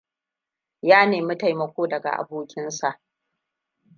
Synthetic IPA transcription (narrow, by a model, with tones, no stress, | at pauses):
jaː˦neː˨mʊ˦ta˨jmɐ˨kʷoː˦dɐ˨ɡa̰˨ʔa̰˨boː˦kʲɪ˦nsa˨ʔ